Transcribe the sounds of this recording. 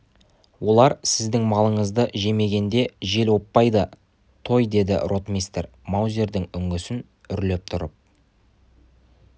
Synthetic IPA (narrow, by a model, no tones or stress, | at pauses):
wʔo̞lˠɑɾsɪzd̪ɪŋmɑlˠəɴəzd̪əʒe̞me̞ɡʲe̞nd̪e̞ʒe̞lwo̞pːɑjd̪ə | t̪ʰo̞jd̪e̞d̪ɪ̰rʔo̞t̪mʲist̪eɾ | mawzʲe̞ɾd̪ɪŋʏŋɡɪsɪn | ʏɾle̞p̚t̪ʰʊɾəp̚